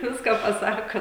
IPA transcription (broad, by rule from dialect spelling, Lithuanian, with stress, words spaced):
ˈʋʲɪskɑː pɐˈsɑːkɐ